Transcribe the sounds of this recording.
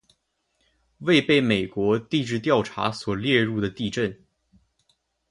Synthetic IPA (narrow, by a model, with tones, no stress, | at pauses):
we˥˧ɪpe˥˩ɪme˨˩ɪkwɔ˧˥t̪i˥˧ʈ͡ʂɻ̩˥˧t̪jɑ˥˩ʊʈ͡ʂʰa̰˧˥swɔ˨˩ljɛ˥˧ɻu˥˩d̪ə˩t̪i˥˧ʈ͡ʂə˥˩n